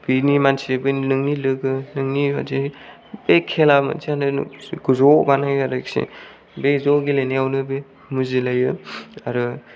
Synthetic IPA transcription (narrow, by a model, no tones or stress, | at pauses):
b̥inimansibɯnnɯŋnilɯɡɯnɯŋniba̰ti | bekʰːelama̰sianɯɡuzɔbanajaɾaksḭ | bezɔɡilejneawnɯbi | muzilajɯaɾɯ